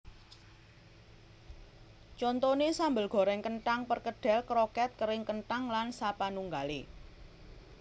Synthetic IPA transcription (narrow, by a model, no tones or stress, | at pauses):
t͡ʃɔnt̪ɔnesambəlɡ̥ɔ̤ɾɛŋkəɳʈaŋpərkəɖ̥ɛ̤lkɾɔkɛt̪̚kəɾɪŋkənʈaŋlansapanuŋɡalḛ